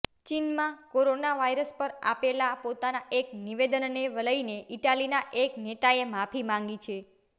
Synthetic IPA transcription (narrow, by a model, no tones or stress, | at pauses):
t͡ʃinmãkoɾonaʋajɾəspəɾa̰pelapot̪anaʔekniʋed̪ənneʋələineʔiʈalinaʔeknet̪aemapʰimãŋɡit͡ʃʰe